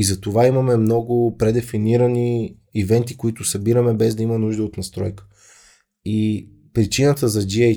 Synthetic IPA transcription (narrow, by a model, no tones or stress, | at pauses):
izɐt̪ovaimɐmɛmnɔɡʊpɾɛd̪ɛfiniɾəniː | vɛnt̪ikoit̪ʊsɐbiɾəmɛbɛzd̪ɐimənuʒd̪əot̪nɐst̪ɾɔjkə̥ | i | pɾit͡ʃinət̪əzɐd͡ʒiɛ